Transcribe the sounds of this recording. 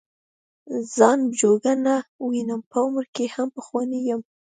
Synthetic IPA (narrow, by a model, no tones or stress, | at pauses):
z̥ɑnbd͡ʒoɡanawinəmpəʊmɾkehampəxwɑnejəm